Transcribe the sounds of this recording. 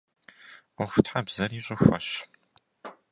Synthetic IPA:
əχʷʊtħabzɐriːɕʼʊxʷɐ̰ɕ

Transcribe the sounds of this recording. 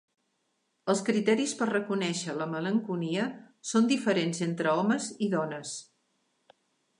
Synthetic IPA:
əlˠskɾit̪ɛɾispərrəkunɛʃələmələŋkuniə | sond̪ifəɾenzent̪ɾəɔməziðɔnəs

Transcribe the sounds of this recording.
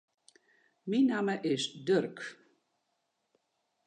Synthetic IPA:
minaməʔɪsdørk

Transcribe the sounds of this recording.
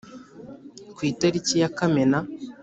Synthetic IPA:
kwiːtaɾicijakamena

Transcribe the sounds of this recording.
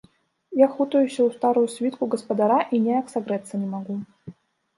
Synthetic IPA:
jaxut̪ɐjusʲɐwst̪aɾujusʲvʲit̪kuɡɐspɐd̪aɾaʔinʲɛjaksaɣɾɛt̪sːɐnʲɛmaɣu

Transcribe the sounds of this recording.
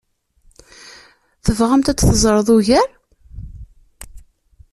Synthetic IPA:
θəvʁəmt̪æt͡sːθəzˤɾˤəðˤuʝæɾ

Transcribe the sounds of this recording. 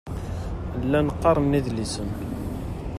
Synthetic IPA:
lːænəqːɑɾˤənːiðlisən

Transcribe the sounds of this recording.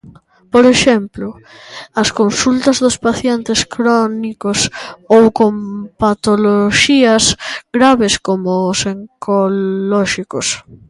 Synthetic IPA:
poɾeʃɛmplʊ | ɐskonsult̪ɐzðʊspaθjent̪eskɾɔnikosowkompat̪oloʃiɐsɡɾaβeskomoseŋkʰolɔʃikos

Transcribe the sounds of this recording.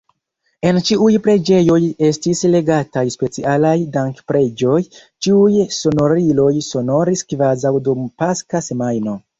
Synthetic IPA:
e̞nt͡ʃiujpɾe̞d͡ʒe̞jo̞je̞stisle̞ɡatajspe̞t͡sialajdaŋkpɾe̞d͡ʒo̞j | t͡ʃiujso̞no̞ɾilo̞jso̞no̞ɾiskvazawdumpaskase̞majno̞

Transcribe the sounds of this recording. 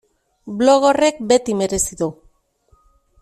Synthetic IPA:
blo̞ɣo̞re̞k̚be̞t̪ime̞ɾe̞siðu

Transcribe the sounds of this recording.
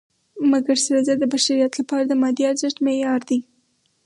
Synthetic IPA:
maɡaɾsaɾazad̪əbaʃaɾijat̪lapɑɾad̪əmɑd̪iaɾzaʈ̪mejɑɾd̪i

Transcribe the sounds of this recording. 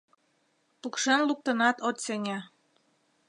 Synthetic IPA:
pukʃenluk̚t̪ɤ̆nɑt̪ot̪seŋæ

